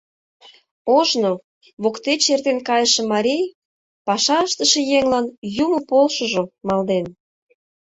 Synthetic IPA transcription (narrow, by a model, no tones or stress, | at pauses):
oʒno | βokt̪et͡ɕert̪enkɑjəʃĕmɑɾʲij | pɑʃɑəʃt̪əʃĕjeŋlɑnjuməpolʃoʒomɑld̪en